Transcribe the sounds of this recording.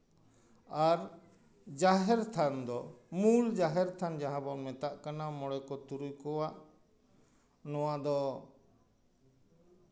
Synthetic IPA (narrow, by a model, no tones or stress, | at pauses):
aɾ | d͡ʒaɦɛɾt̪ʰand̪ɔmuld͡ʒaɦɛɾt̪ʰand͡ʒaɦãbɔmɛt̪aʔkanamɔɽɛkɔt̪uɾujkɔwaʔ | nɔwad̪ɔ